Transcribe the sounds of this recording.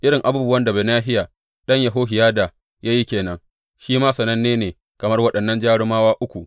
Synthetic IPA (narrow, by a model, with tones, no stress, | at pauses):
ʔɪ˦ɽɪ˨ŋʔa˨buː˦bʊ˦wɐ˦nda˨beː˨naː˦ɦɪ˦ja˨ | ɗɐ˦ɲjɐ˨ɦoː˦ɦɪ˨jaː˦da˨ | ja˦ji˦kʲeː˨nɐ˦ŋ | ʃiː˦maː˦sɐ˨nɐ˦nːeː˦neː˨ | kɐ˨mɐ˦rwɐ˦ɗɐ˨nːɐ˦nd͡ʒaː˦ɽɪ˦maː˦waː˦ʔʊ˦kʷu˨ʔ